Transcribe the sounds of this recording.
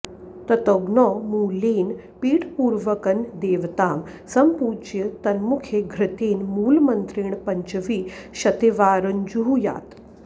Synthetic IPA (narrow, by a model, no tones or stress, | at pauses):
t̪ɐt̪ɔɡnɔmuːliːn | piːʈpuːɾʋəkɐnd̪eːʋt̪aːm | sɐmpuːd͡ʒjɐt̪ɐnmukʰeɡʱɾɪt̪iːnmuːlmɐnt̪ɾiːɳpɐɲt͡ʃəʋiːɕɐt̪eʋaːɾɐɲd͡ʒuɦuja̰ːt̪